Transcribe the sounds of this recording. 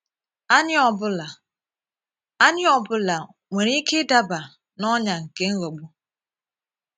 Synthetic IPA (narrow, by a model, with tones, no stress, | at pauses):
a˦ɲ˦ɔ˨bʊ˦la˨ | a˦ɲɪ˦ɔ˨bʊ˦la˨ | ŋʷe˨ɾi˦ke˦da˦ba˨ | nɔ˦ɲa˨ŋ̩˨ke˦ŋ̩˦ɣɔ˨ɡ͡bʊ˦